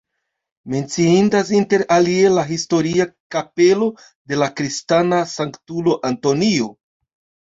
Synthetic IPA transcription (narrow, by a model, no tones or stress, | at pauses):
me̞nt͡siindasinte̞ɾalie̞laɦisto̞ɾiakape̞lo̞ | de̞lakɾistanasaŋktulo̞ʔanto̞nio